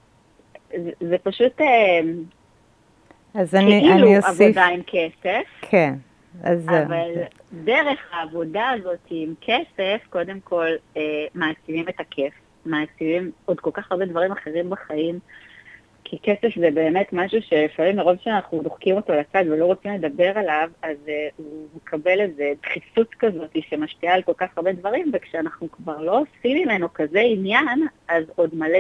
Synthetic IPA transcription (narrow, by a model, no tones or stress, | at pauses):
zzepaʃutem | azkniluiʔavodaimkʰese̞fkʰen | azaval | deʁe̞χhaːvo̞daːzo̞tʰiːmkʰesefko̞de̞mkʰo̞lemaːt͡sivimetakʰef | maːt͡sivimo̞dko̞lkaχaʁbe̞dvaʁimaχeʁimbaχaim | kʰikese̞fzebe̞ːme̞tmaʃuʃe̞lifaʁimeʁo̞vʃeanaχnulo̞χkimo̞to̞lat͡sadvelo̞ʁo̞t͡simle̞d̪abe̞ʁalavazumekʰabe̞lezedχifutkazo̞tiʃemaʃpialko̞lkaχaʁbe̞dvaʁimvekʃeanaχnukvaʁlo̞simimenukazeinjanazo̞d̪mal